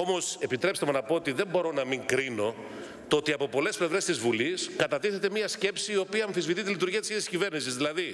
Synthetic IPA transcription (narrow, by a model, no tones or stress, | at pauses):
o̞mo̞se̞pit̪ɾe̞pst̪emonɐpo̞ot̪iðe̞mbo̞ɾo̞nɐmiŋkɾino̞ | t̪oo̞t̪iɐpo̞po̞le̞sple̞vɾe̞st̪izvuliskɐt̪ɐt̪iθe̞t̪e̞miɐsce̞psiːo̞piɐːɱθizvit̪it̪ilit̪uɾʝiɐt̪isçiðsiscive̞ɾnisizðilɐði